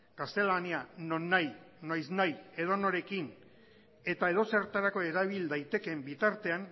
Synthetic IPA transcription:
ɡ̥ast̪e̞laniano̞nːajnajsnaje̞ðo̞no̞ɾe̞kin | e̞t̪ae̞ðo̞se̞ɾt̪aɾako̞e̞ɾaβ̞ild̪ajt̪e̞ke̞mbit̪aɾt̪e̞an

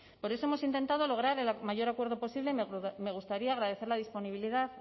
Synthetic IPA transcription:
po̞ɾe̞so̞emosint̪e̞nt̪að̞o̞lo̞ɣ̞ɾaɾe̞lmaʝo̞ɾakwe̞ɾðo̞po̞siβle̞mme̞ɣ̞ust̪aɾiaːɣɾað̞e̞θe̞ɾlaðispo̞niβiliðað

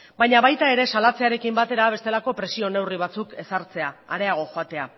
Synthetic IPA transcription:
bajɲaβajt̪ae̞ɾe̞salat͡se̞aɾe̞kimbat̪e̞ɾaβe̞st̪e̞lako̞pɾe̞sio̞ne̞wriβ̞at͡suke̞saɾt͡se̞aaɾe̞aɣ̞o̞xo̞at̪e̞a

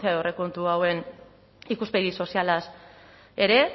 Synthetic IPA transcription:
t͡siaore̞kont̪uawe̞n | ikuspeðiso̞sialas | e̞ɾe̞

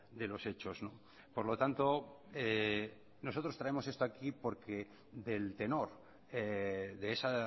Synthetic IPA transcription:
d̪e̞lo̞se̞t͡ʃo̞zno | po̞ɾlo̞t̪ant̪o̞e | no̞s̬o̞t̪ɾo̞st̪ɾae̞mo̞se̞st̪oakipo̞ɾkʰe̞ | ðe̞lt̪e̞no̞ɾ | eðe̞esa

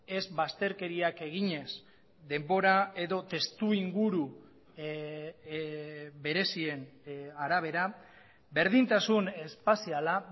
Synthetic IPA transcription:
e̞zβast̪e̞ɾke̞ɾiake̞ɣ̞iɲe̞s | d̪e̞mbo̞ɾae̞ðo̞t̪e̞st̪uiŋɡuɾu | be̞ɾe̞sie̞naɾaβ̞e̞ɾa | be̞ɾðint̪asune̞spasiala

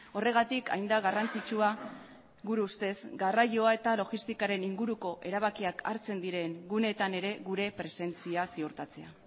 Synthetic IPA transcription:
o̞re̞ɣ̞at̪ika̰jnd̪aɣarant͡sit͡ʃua | ɣuɾuust̪e̞szɡaraʎo̞ae̞t̪alo̞ɣist̪ikaɾe̞niŋɡuɾuko̞ʔe̞ɾaβakiakʰa̰ɾt͡se̞nd̪iɾe̞ŋɡune̞t̪ane̞ɾe̞ɣuɾe̞pɾe̞se̞nt͡siasiuɾt̪at͡se̞a

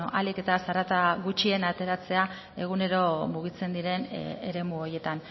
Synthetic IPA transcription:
ʔalike̞t̪asaɾat̪aɣut͡ʃie̞nat̪e̞ɾat͡se̞a | e̞ɣ̞une̞ɾo̞muɣ̞it͡se̞nd̪iɾe̞neɾe̞muoɾje̞t̪an

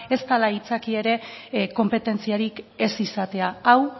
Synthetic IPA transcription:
e̞st̪alait͡sakie̞ɾe̞ko̞mpe̞t̪e̞nt͡siaɾike̞sisat̪e̞aaw

